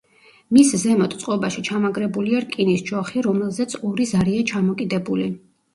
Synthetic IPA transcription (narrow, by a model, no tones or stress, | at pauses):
miszɛmɔt̪ʼt̪sʼqʼɔbaʃit͡ʃʰamaɡɾɛbuliaɾkʼinisd͡ʒɔχiɾɔmɛlˠzɛt̪sʰɔɾizaɾiat͡ʃʰamɔkʼid̪ɛbuli